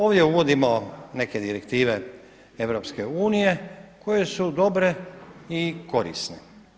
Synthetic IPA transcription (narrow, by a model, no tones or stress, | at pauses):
o̞ːʋd̪je̞uʋo̞d̪imo̞ne̞ke̞d̪iɾekt̪iːʋe̞ | e̞ʋɾo̞pske̞uːnije̞kʰo̞jesud̪o̞bɾe̞iko̞ɾḭsne